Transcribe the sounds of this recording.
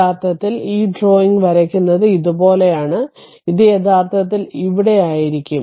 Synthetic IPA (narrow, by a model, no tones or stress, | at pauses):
aːrt̪ʰɐt̪ːiliːɖro̞ːiŋɡʋɐɾɐkʲːunːɐðɨiðubo̞ːle̞jaːɳɨ | iðijet̪ʰaːrt̪ʰɐt̪ːiliʋiɽe̞jaːjiɾikʲːum